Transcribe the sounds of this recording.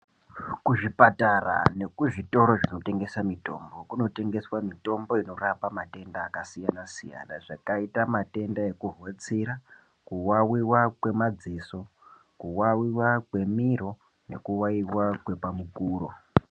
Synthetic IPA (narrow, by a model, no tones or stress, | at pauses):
kuʐipatara̰ne̞kuʐito̞ɾo̞ʐino̞te̞ŋɡe̞samito̞̰mbo̞kuno̞te̞ŋɡe̞swamito̞mbo̞ino̞rapamate̞ndaːkasijanasḭja̰na̰ʐakaitamate̞ndae̞kuɦwet͡siɾa | kuwawiwakwe̞mad͡ziso̞ | kuwawiwakwe̞miɾo̞ | ne̞̰kuwaiwakwe̞pamukuːro̰